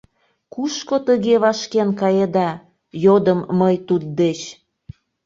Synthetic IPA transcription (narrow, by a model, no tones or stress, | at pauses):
kuʃkot̪əɣeβɑʃkenkɑjed̪ɑ | jod̪əmːəjt̪ud̪̚d̪et͡ɕ